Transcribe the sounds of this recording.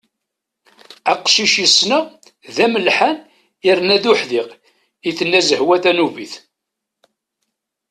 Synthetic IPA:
æqʃiʃjəsnæ | ðæməlħan | ɪɾnæðʊħðiq | iθənːæzəhwæθænuviθ

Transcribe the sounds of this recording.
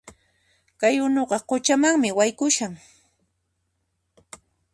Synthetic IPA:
kajʊnoɢɑqʊt͡ʃamaŋmɪwajkʊʃaŋ

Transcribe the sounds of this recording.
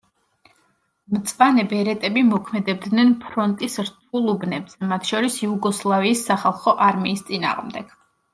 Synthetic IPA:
mt̪sʼvanɛbɛɾɛt̪ʼɛbimɔkʰmɛd̪ɛb̚d̪nɛnpʰɾɔnt̪ʼisɾt̪ʰulˠubnɛbz̥ɛmat̪ʰʃɔɾisjuɡɔslˠaviːsːaχalˠχɔʔaɾmiːst̪sʼina̰ːʁmd̪ɛɡ̥

